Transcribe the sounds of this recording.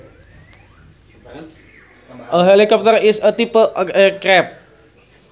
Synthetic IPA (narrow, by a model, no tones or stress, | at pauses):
əɦelikɔp̚t̪əɾisət̪ipəʔkɾɛp̚